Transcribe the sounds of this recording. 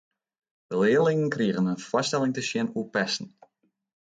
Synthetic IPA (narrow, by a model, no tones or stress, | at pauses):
dəlɪəlɪŋənkriəɣənənfɔstɛlɪŋtəsjɪnuəpɛsn̩